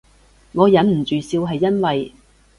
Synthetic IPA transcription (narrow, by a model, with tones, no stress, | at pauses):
ŋɔː˨˧jɐ˨˥nm̩˨˩t͡ʃyː˨siː˧wɦɐ˨jːɐ˥nwɐ˨j